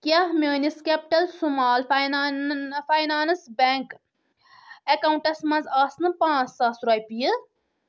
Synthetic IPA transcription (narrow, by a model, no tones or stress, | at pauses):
kʲahmʲəːniskepiʈɐlsumaːlj | fajnaːnsbʲeːŋk | ekawɳʈɐsmɐ̃nzaːsnɨpãːt͡ssaːsɾɐːjpijɨ